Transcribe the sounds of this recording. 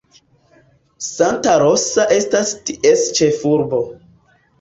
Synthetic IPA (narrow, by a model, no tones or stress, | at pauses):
santaɾo̞saʔe̞stastiʔe̞st͡ʃe̞fuɾbo̞